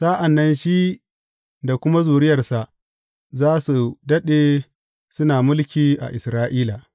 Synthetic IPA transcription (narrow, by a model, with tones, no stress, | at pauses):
sa˦ʔa˨nːɐ˦nʃi˦ | da˨kʷʊ˦ma˦zuː˨ɾɪ˦jɐ˨rsa˨ʔ | zaː˦su˨dɐ˦ɗeː˨ | sʊ˦naː˨mʊ˦lkʲiː˨ʔa̰˨ʔɪ˨sɾaː˦ʔiː˦laː˨